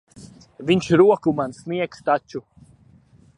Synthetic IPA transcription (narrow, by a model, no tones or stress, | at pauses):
viɲʃɾuɔkumansniɛkst̪at͡ʃu